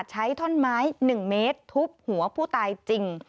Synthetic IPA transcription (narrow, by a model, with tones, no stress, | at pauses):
t̪̚t͡ɕʰa˦˥jt̪ʰo˥˩nmaː˦˥jnɯ˨˩ŋmeː˦˥t̪ʰːu˦˥p̚hu˩˦ɐpʰuː˥˩t̪aː˧jt͡ɕi˧ŋ